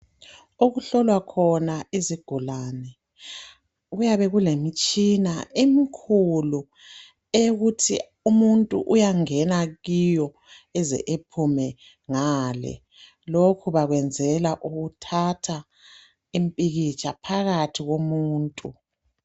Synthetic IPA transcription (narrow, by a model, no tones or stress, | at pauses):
oɣuɬɔlwakʰɔnaiziɡ̥ʱulaːnɛ | ɣujaβɛɣulemit͡ʃʼinaʔemikʰulu | eɣutʰi | umuntʼṵʔujaŋɛnaɣijɔ | ɛzɛ̰ʔepʰumɛ | ŋaːlɛ̰ | lokʰuβaɣwɛnd͡zʱɛlaʔuɣutʰatʰa | impʼiɣit͡ʃʼʰapʰaɣatʰiɣomuːntʼu